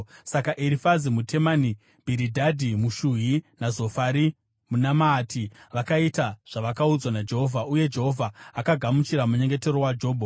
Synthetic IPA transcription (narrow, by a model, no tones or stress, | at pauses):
sakaʔiɾifazimutʰe̞mani | bʱiɾidʱadʱimuʃuɦinazo̞faɾi | munamaːtiʋakaitaʐ̥aʋakaud͡zwanad͡ʒe̞ɦo̞vʱaʔuje̞d͡ʒe̞ɦo̞vʱaakaɡʱamut͡ʃiɾamuɲe̞ŋɡe̞te̞ɾowad͡ʒo̞ːbʱo